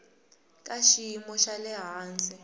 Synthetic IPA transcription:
kʼaʃimɔʃalɛɦaːnd͡zʼɛ

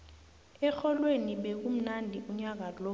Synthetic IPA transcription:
ɛxɔlweniɓek̬um̩nandʱiuɲak̬alo

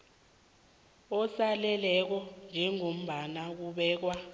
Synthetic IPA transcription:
ɔsalɛlɛk̬ɔnd͡ʒʱɛŋom̩ɓanak̬uɓɛːk̬wa

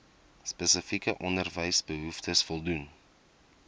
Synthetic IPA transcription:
spəsəfikəʔɔndərvəjsbəɦuftʰəsfɔlˠdun

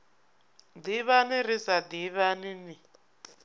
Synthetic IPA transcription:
d̪iβaniɾisad̪iβanini

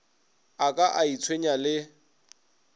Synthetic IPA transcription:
akʼaʔait͡sʰweɲalɪ

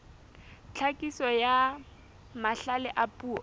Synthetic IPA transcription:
t͡ɬʰakʼisɔja | maɬalɛʔapʼuːɔ

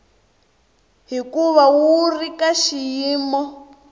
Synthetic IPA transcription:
ɦikuβawurikaʃijiːmɔ

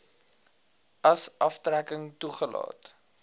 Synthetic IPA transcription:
ɐsʔɐftrækəŋtuχəlɑ̰ːt

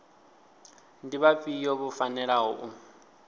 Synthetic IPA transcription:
ndiβapʼijoβufanɛɺaɦɔʔu

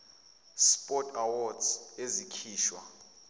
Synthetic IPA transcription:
spʼɔtʼawɔdzezikʰiːʃwa̰

